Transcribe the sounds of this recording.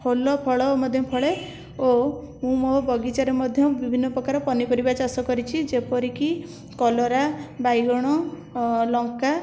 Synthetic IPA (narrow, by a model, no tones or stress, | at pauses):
pʰolɔpʰɔɭɔmɔd̪ʱjɔpʰɔɭe | o | mũmobɔɡit͡ʃaɾemɔd̪ʱjɔbibʱinːɔpɾɔkaɾɔpɔnipɔɾibat͡ʃasɔkɔɾit͡ʃʰid͡ʒepɔɾiki | kɔlɔɾabajɡɔɽ̃ɔ | lɔŋka